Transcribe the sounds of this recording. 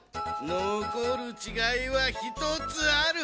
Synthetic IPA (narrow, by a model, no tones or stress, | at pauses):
nokoɾɯ̟t͡ɕiɡaiβaçit̪ot͡sɨaɾɯ